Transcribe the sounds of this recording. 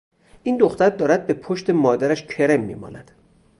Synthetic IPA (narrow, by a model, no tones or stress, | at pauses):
ʔiːnd̪oxt̪æɾd̪ɒːɾæd̪̚be̞pʰoʃt̪e̞mɒːd̪æɾæʃcʰe̞ɾe̞mːḭːmɒ̰ːnæd̪̥